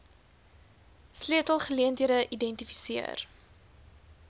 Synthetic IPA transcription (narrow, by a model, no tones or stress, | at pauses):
sliətəlˠχəliəntɦiədəʔidɛntifi̥siə̰r